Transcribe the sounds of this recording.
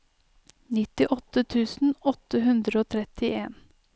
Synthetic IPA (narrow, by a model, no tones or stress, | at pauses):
nɪt̪ɪʔɔt̪ət̪ʰʉːsn̩ɔt̪əɦʉnd̪ɾəoːt̪ʰɾɛt̪ɪʔeːn